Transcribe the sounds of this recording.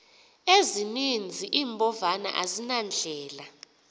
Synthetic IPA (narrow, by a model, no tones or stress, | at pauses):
ezinind͡zʱiʔiːmbʱʼɔvana̰ʔa̰zinand͡ɮʱɛːla